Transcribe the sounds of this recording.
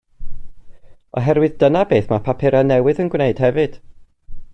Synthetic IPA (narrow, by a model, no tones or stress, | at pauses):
ɔ̰ɦɛɾwɨðdənabeːθmapʰapʰɪɾanɛwɨðənɡwneɨd̥hɛvɨd̥